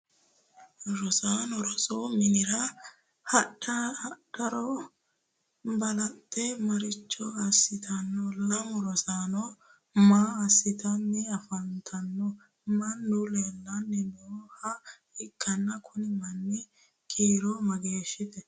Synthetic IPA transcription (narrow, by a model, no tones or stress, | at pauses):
ɾɔsaːnɔɾɔsʼomɪnɪɾɐ | hɐɗɐɗɐɾɔ | bɐlɐt̪ːɛmɐɾɪt͡ʃːɔɐsːɪt̪ʰɐnːɔlɐmɔɾɔsaːnɔ | maːɐsːɪt̪ɐnːɛɐfɐnt̪ʰɐnːɔ | mɐnːʊleːlːɐnːɛbɛɔhɐ | ɪkʰːɐnːɐkʰʊnɪmɐnːɪ | kʼiːɾɔmɐɡeːʃːɪt̪ɛ